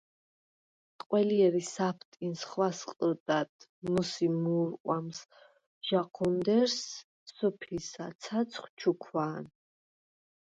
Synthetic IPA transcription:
qʼwɛliɛɾisapʰt̪ʼinsχwasqʼəd̪ad̪ | nusimuɾqʼwams | ʒ̥aqʰɔnd̪ɛɾs | sɔpʰisat̪sʰat̪sʰχʷt͡ʃʰukʰwaːn

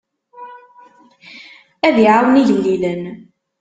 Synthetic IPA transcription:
æðiʕawniðililən

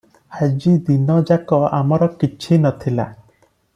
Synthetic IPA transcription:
ad͡ʒid̪inɔd͡ʒakɔa̰mɔɾɔkit͡ʃʰinɔt̪ʰila

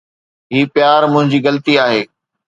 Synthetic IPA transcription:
ɦiːpɪjaːɾmʊ̃ɦɪ̃ɲd͡ʑiːɣɐlt̪iaːɦeː

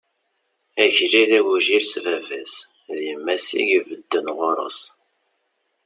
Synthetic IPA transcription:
æçɾiðæwuʒiɾsvævæs | ðjəmːæsḭʝvəd̪ːənʁoɾˤə̰s

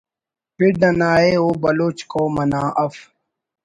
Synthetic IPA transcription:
piɾɖ̪ɐnaːeːoːbɐloːt͡ʃkoːmɐnãːʔɐf

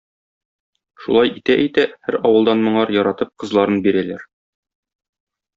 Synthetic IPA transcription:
ʃṵlˠɑjit̪æʔæjt̪æhæɾɒwɤ̆lˠd̪ɑnmŏɴɑɾjɒɾɑt̪ɤp̚qɤ̆zlˠɑɾɤnbiɾælæɾ

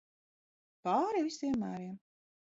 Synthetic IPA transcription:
pɑːɾivʲisiɛmːæːɾiɛm

